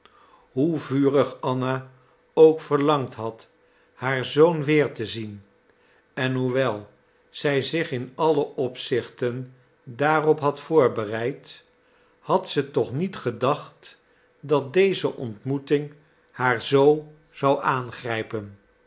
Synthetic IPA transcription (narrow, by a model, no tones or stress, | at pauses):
ɦuvyːrəχɑna | owkfəɹlɑŋtɦɑt | haːɹzownʋɪːɹtəzin | ɛnɦuʋɛlˠ | z̥ɛjzɪχɪnɑləʔɔpsɪχtən | daːrɔpɦɑtfʊːɹbərɛjt | hɑtsətɔχnitχədɑχt | dɑt̚dejzəʔɔntmutɪŋ | haːɹzow | z̥ɑwʔaːnχrɛjpən